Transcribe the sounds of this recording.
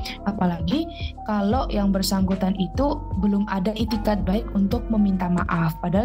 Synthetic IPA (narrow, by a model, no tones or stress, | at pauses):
ʔapalaɡikalojaŋbərsaŋɡut̪anit̪ubəlʊmʔadaʔet̪ikat̪̚baɪkunt̪ʊk̚məmint̪amaʔafpada